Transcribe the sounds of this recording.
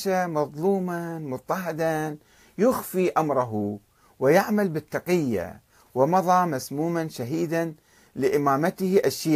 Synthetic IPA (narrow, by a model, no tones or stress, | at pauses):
ʃamɑðˤluːmanmʊt̪ˤːɑɦɪd̪an | jʊxfiʔamɾˤɑɦu | wɪjaʕmalbɪt̪ːɑqɪjːa̰ | wɪmɑðˤɑːmasmuːmanʃaɦiːd̪an | lɪʔɪmaːmat̪hʔaʃiː